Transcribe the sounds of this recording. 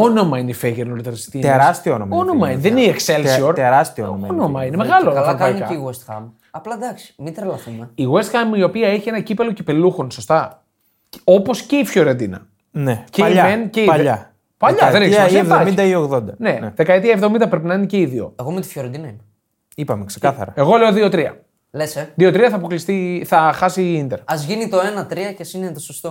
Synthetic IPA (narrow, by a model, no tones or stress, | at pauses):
ono̞mɐineifeʝeɾnolit̪eɾst̪it̪eɾɐst̪ioonomɐono̞mɐiðeniekselssioɾt̪eɾɐst̪iooɐono̞mɐinemeɣɐloɐlɐokpɐinkɐeiɣuest̪xɐ̰m | ɐplɐd̪ɐksi̥mit̪ɾɐlɐθumeiɣoest̪xɐmio̞piɐeçienɐcipelo̞ci̥peluxonso̞st̪ɐ | o̞po̞sce̞ifçoɾend̪inɐ̰ | neceiʎmɐenceiʎɐ | pɐʎɐðeniksɐsevðoɐmid̪ɐioɣðond̪ɐne̞nðe̞kɐet̪iɐevðomind̪ɐpɾe̞p̬inɐinece̞iðio̞̰eɣo̞met̪i̥fçjoɾend̪inɐimɐ | ipɐmeksekɐθɐ̰ɾɐeɣo̞le̞o̞ðio̞t̪ɾiɐ̰ | leseðio̞t̪ɾiɐθɐːpo̞klist̪iθɐxɐsiind̪eɾɐzʝinit̪o̞e̞nɐt̪ɾiɐcesinet̪osost̪o